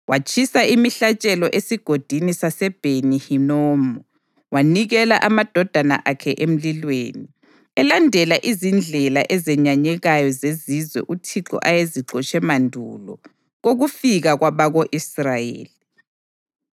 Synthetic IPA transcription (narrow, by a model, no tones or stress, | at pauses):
wat͡ʃʰʼisaimiɬat͡ʃʼɛlɔʔesiɡ̥ʱod̥ʱinisasɛb̥ʱenihinɔːmɔ | waniɣɛla̰ʔamad̥ʱɔd̥ʱana̰ʔakʰɛʔem̩lilwḛːni | ɛlandʱɛlaʔizind͡ɮʱɛla̰ʔɛzɛɲaɲɛɣajɔzezizwɛ̰ʔutʰiǁɔ̰ʔajeziǃɔt͡ʃʼɛmandʱṵlɔ | ɣoɣufiɣaɣwaβaɣoʔisrajḛːli